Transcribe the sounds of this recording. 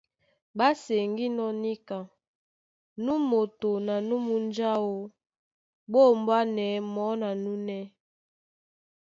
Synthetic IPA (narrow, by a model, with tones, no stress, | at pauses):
ba˦se˨ŋɡi˦nɔ˦ni˦ka˨ | nu˦mo˨to˨na˨nu˦mu˦n˦d͡ʒa˦wo˨ | bo˦˨mba˦nɛ˨˦mɔ˨˦na˨nu˦nɛ˦